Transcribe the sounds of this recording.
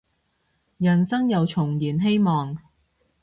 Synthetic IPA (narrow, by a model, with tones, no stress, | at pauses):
jɐ˨˩nsɐ˥ŋjɐ˨˧wt͡ʃʰʊ˨˩ŋjiː˨˩nɦe˥jmɔː˨ŋ